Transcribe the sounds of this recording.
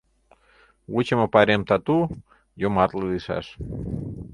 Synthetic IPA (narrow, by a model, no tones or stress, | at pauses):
wut͡ɕəmə̆pɑɾʲemt̪ɑt̪u | jomɑt̪leliʃɑ̰ʃ